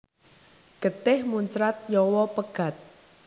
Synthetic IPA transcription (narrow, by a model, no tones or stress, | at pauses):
ɡ̥ə̤t̪ɪhmuɲt͡ʃɾat̪̚jɔwɔpəɡ̥a̤t̪̚